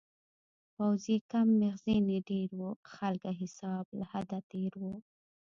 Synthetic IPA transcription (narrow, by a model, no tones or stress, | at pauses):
pawzekamːɪɣzeneɖeɾwuxalkaɦɪsɑblahad̪at̪eɾwu